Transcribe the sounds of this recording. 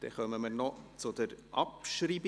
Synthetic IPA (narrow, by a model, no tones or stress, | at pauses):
d̪̥ɛ̰χœməməɾnɔt͡sʊd̪əɾʔɑpʃɾiːb